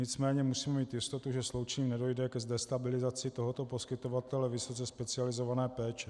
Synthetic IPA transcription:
ɲɪt͡smɛːɲɛmusiːmɛmiːt̪jɪst̪o̞t̪uʒɛslo̞wt͡ʃɛɲiːmnɛdo̞jdɛkɛzdɛst̪abɪlɪzat͡sɪt̪oɦo̞t̪o̞po̞skɪt̪o̞vat̪ɛlɛvɪso̞t͡sɛspɛt͡sɪalɪzo̞vanɛːpɛːt͡ʃɛ

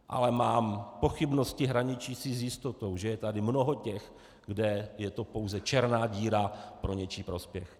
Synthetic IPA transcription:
ʔa̰lɛmaːmpo̞xɪbno̞scɪɦɾaɲɪt͡ʃiːsizjɪst̪o̞t̪o̞wʒɛjɛt̪adɪmno̞ɦo̞cɛx | ɡdɛjɛt̪o̞po̞wzɛt͡ʃɛɾnaːɟiːɾapɾʔo̞ɲɛt͡ʃiːpɾo̞spjɛx

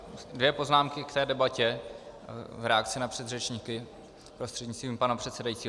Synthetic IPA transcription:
dvjɛpo̞znaːmkɪkt̪ɛːdɛbacɛ | vɾɛakt̪t͡sɪnapr̝̥ɛd̪rɛt͡ʃɲiːkɪ | pɾo̞st̪r̥ɛd̪ɲɪt͡st̪viːmpanapr̝̥ɛt̪sɛdajitt͡siːɦ

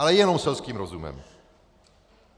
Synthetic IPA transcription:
alɛjɛnomsɛlskiːmɾozumɛ̰m

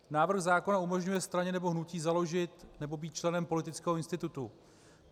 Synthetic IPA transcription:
naːvr̩xzaːko̞naumo̞ʒɲujɛst̪ɾaɲɛnɛbo̞ɦnuciːzalo̞ʒɪt̪nɛbo̞biːt̪̚t͡ʃlɛnɛmpo̞lɪt̪ɪt͡skɛːɦoɪnst̪ɪt̪ut̪u

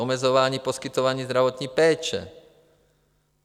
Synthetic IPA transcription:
ɔmɛd͡zɔʋaːɲiːpɔskit̪ɔʋaɲiːzd̪ɾaʋɔt̪ɲipɛːt͡ʃɛ̰

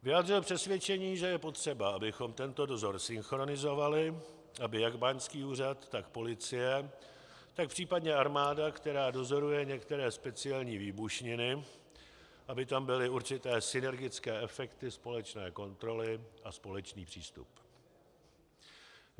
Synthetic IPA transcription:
vɪjaːdrɪlpr̥ɛsvjɛt͡ʃɛɲiːʒɛjɛpo̞t̪r̝̥ɛbaʔabɪxo̞mt̪ɛnt̪odo̞zo̞ɾsɪnxɾo̞nɪzo̞valɪ | ʔabɪjaɡbaɲskiːuːrat̪ːakpo̞lɪt͡sɪjɛ | t̪ak̚pr̝̥iːpadɲɛaɾmaːdakt̪ɛɾaːdo̞zo̞ɾujɛɲɛkt̪ɛɾɛːspɛt͡sɪjɛlɲiːviːbuʃɲɪnɪ | ʔabɪt̪ambɪlɪuɾt͡ʃɪt̪ɛːsɪnɛɾɡɪt͡skɛːɛfɛkt̪ɪspo̞lɛt͡ʃnɛːko̞nt̪ɾo̞lɪʔaspo̞lɛt͡ʃniːpr̝̥ḭːst̪ṵp

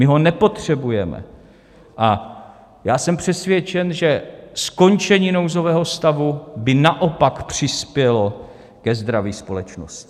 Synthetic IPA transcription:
mɪɦo̞nɛpo̞t̪r̥ɛbujɛmɛ̰ | ʔa | jaːsɛmpr̥ɛsvjɛt͡ʃɛnʒɛsko̞nt͡ʃɛɲiːno̞wzo̞vɛːɦo̞st̪avubɪnaʔo̞pakpr̝̥ɪspjɛlo̞ | kɛzd̪ɾaviːspo̞lɛt͡ʃno̰scɪ̥

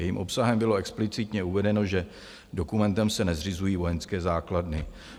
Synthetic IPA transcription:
ɛjimʔo̞psaɦɛmbɪloɛksplɪt͡sɪt̪ɲɛuvɛdɛno̞ʒɛ | do̞kumɛnt̪ɛmsɛnɛzr̝ɪzujiːvo̞jɛnskɛːzaːkladnɪ

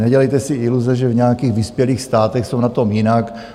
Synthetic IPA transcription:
nɛɟɛlɛjt̪ɛsɪʔɪluzɛʒɛvɲɛakiːxvispjɛliːxst̪aːt̪ɛxsownat̪o̞mjɪnak

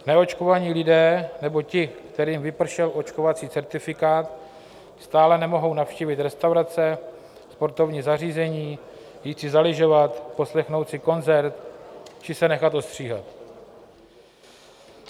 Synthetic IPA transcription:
nɛo̞t͡ʃko̞vaɲiːlɪdɛːnɛbo̞cɪkt̪ɛɾiːmvɪpr̩ʃɛlʔo̞t͡ʃko̞vat͡siːt͡sɛɾt̪ɪfɪkaːt̪ | st̪aːlɛnɛmo̞ɦo̞wnafʃciːvɪt̪ɾɛst̪awɾat͡sɛ | spo̞ɾt̪o̞vɲiːzariːzɛɲiː | jiːt͡sɪzalɪʒo̞vat̪po̞slɛxno̞wt̪sɪko̞nzɛɾt̪t͡ʃɪsɛnɛxat̪o̞st̪r̝̥iːɦa̰t̪

